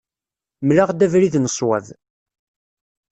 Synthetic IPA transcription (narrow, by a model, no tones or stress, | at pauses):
mlaʁd̪ævɾiðnəsˤwæð